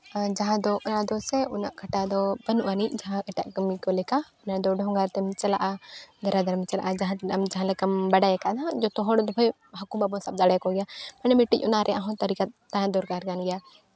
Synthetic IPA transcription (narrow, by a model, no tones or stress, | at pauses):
d͡ʒaɦãd̪ɔʔɔnad̪ɔsɛunaʔkʰaʈad̪ɔbənuʔanic̚d͡ʒaɦãɛʈaʔkəmikɔlɛkaɔnad̪ɔɖʱɔ̃ŋɡaɾt̪ɛmt͡ʃɛla̰ʔad̪aɾad̪aɾmt͡ʃɛla̰ʔad͡ʒaɦãt̪ɛamd͡ʒaɦãlɛkambaɖajakaʔnad͡ʒɔt̪ɔɦɔɽd̪ɔbʰɔj | ɦakumbabɔsab̚d̪aɽɛkɔɡɛjamanɛmɛʈic̚ˀɔnaɾʔɛʔaɦɔ̃t̪aɾikat̪t̪ːajãd̪ɔɾɡaɾɡanɡɛja